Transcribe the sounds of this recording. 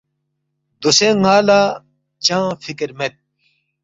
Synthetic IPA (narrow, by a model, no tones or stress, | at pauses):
d̪usẽːŋaːlaː | t͡ɕãːfikeɾmet̪̚